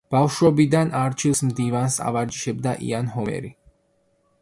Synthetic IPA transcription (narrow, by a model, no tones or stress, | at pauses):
b̥afʃwɔbid̪anaɾt͡ʃʰilˠsmd̪ivansa̰vaɾd͡ʒi̥ʃɛbd̪aʔḭanɦɔmɛ̰ɾi